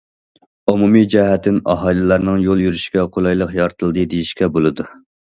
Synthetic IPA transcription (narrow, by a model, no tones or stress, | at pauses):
umumid͡ʒɛɦɛt̪ʰːɪnɑ̰ɦɑjlˠɨlˠɑɾnɨŋjolˠjyɾyʃkʲɛqʰolˠɑjlˠəqjɑɾt̪ʰɨlˠd̪ɨd̪ejiʃkʲɛbolˠɨd̪u